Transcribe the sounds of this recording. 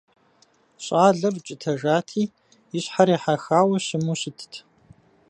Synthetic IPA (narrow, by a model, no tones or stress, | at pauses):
ɕʼaːɮɐbt͡ʃʼɪtʰɐʒaːtʰiː | jɪɕħaɾiːħaxaːwɐɕɪmuɕɪtʰtʰ